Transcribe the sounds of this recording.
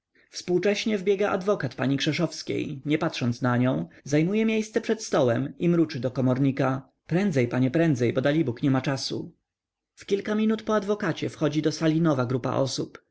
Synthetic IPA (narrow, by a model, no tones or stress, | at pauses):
fspuwt͡ʂɛɕɲɛvbʲjɛɡaʔa̰d̪vɔkat̪paɲikʂɛʂɔfskʲḛjɲɛpat̪ʂɔnt̪snaɲɔ̃w̃zajmujɛmʲjejst̪sɛpʂɛt̪st̪ɔwɛmimɾut͡ʂɘd̪ɔkɔmɔɾɲika | pɾɛnd̪zɛjpaɲɛpɾɛnd̪zɛjbɔd̪alʲibukɲɛmat͡ʂasṵ | fkʲilkamʲinut̪pɔad̪vɔkat͡ɕɛfxɔd͡ʑid̪ɔsalʲinɔvaɡɾupa̰ʔɔsup